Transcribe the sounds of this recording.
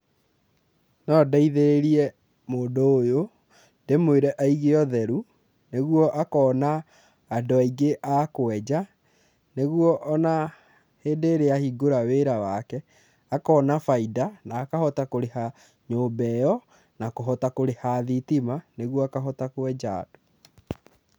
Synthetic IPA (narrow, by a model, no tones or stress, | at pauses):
nɔdaiðeɾeɾiɛ | moːndoːjo | ndemweɾɛʔaiɣeɔðɛɾu | neɣwɔʔakɔːnaː | doaiɡeʔakoɛd͡ʑa | neɣwɔʔɔna | heːndeːɾeahiɡoɾaweːɾawakɛ | akɔːnafaidanaːkahɔtakoɾeha | ɲoːbɛjɔ | nakoɦɔtakoɾehaðitimaneɣwɔakaɦɔtakoɛd͡ʑa̰ːd̥o̥